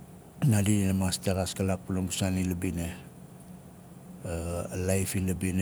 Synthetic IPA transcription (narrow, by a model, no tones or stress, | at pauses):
nadiinamastaɡaskalak̚punoŋɡusanilabine | lajfilabin